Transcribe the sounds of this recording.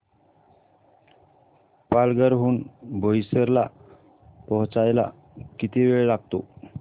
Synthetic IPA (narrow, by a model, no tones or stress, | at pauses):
palɡəɾɦuːnbʱojsəɾla | pɔɦt͡sajla̰ | kit̪iʋeɭelaɡ̚t̪o